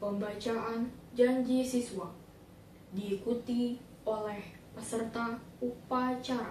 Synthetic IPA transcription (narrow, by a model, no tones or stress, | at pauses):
pəmbat͡ʃaand͡ʒaɲd͡ʒisisuwa | diːkut̪i | olɛh | pəsərt̪aupat͡ʃaɾa̰